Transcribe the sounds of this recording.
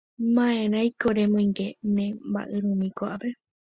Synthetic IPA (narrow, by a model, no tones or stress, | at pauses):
mãẽɾajkoɾemõjŋɡenẽmba̰ʔeɾũmĩkoʔape